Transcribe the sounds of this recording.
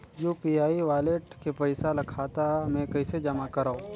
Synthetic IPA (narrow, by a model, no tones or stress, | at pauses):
juːpiaːiʋaːleʈkepɐɪsalɐkʰaːt̪amɛ̃kɐɪsed͡ʒɐmakɐɾao